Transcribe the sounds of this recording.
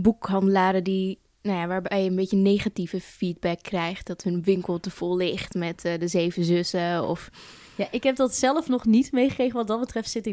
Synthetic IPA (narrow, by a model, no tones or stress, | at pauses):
bukɦɑndəlaːɾədi | nojaʋaːɹbɛjəənbetcənejχativəfiːd̚bɛkːrɛjχtdɔthənʋɪŋkəlˠtəfolːɪχtmɛtdəzeːvəzøsəɔ̰f | jaʔɪkɦɛp̚dɑtsɛləfnɔχnitmejχəkrejɣəʋɑt̚dɑt̚bətrɛftsɪtɪ